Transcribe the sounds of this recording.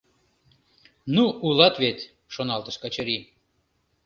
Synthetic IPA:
nuulˠɑt̪vʲet̪ʲ | ʃonɑlˠt̪ə̆ʃkat͡ɕəɾʲi

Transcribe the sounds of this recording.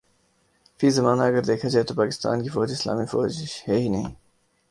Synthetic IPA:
fiːzɐmaːnaɐɡəɾd̪eːkʰad͡ʒaːet̪opaːkɪ̥st̪a̰ːnkifoːd͡ʑɪsla̰ːmifo̰ːd͡ʒheɦinɐɦḭ̃ː

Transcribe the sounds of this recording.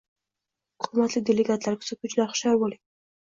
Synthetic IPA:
qʰʊmat̪lɪd̪eleɡat̪laɾkʰʲʊ̥sɪkʰʊt͡ʃlaχʃaɾbolɪ

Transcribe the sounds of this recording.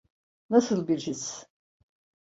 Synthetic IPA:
nasɯlˠbiɾd͡ʒis

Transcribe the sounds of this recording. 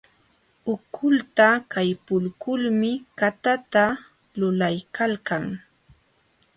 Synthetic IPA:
ʊkʰʊlt̪akajpʊlkʊlmɪkat̪at̪a | lʊlajkʰalkaŋ

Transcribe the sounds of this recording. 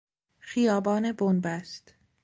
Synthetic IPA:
xijɒːbɒːnebonbæst̪

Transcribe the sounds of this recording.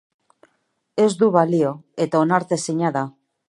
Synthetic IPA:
e̞zd̪uβalio̞e̞t̪aonaɾt̪e̞siɲaða

